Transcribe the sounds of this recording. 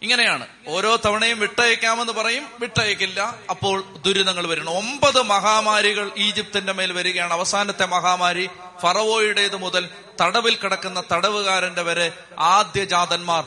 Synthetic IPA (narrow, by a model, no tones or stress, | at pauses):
iŋːɐne̞jaːɳɨ | o̞ːɾo̞ːt̪ɐʋɐɳɐjumʋiʈːɐjɐkʲːaːme̞nːɨpɐrɐjumʋiʈːɐjɐkʲːilːɐːpːo̞ːɭd̪uɾunɐŋːɐɭʋɐɾuɳːuo̞mbɐðɨmɐɦaːmaːɾiɣɐɭiːd͡ʑip̚t̪inde̞me̞ːlʋɐɾuɣɐjaːɳɐʋɐsaːnɐt̪ːe̞mɐɦaːmaːɾi | fɐrɐʋo̞ːjuɽeɐðɨmuðɐl | t̪ɐɽɐʋilkiɽɐkːunːɐt̪ɐɽɐʋɨɣaːɾɐnde̞ʋɐɾɨ | aːd̪jɐd͡ʑaːðɐnmaːr